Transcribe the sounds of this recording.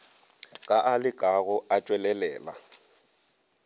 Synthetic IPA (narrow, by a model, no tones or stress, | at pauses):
kʼaʔalɪkʼaɣʊat͡ʃʼwɛlɛlɛːla̰